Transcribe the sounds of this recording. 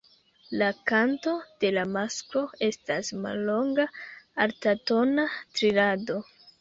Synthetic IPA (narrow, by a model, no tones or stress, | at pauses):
lakanto̞d̥e̞lamasko̞e̞stasma̰lːo̞ŋɡaaɾtato̞natɾilado̞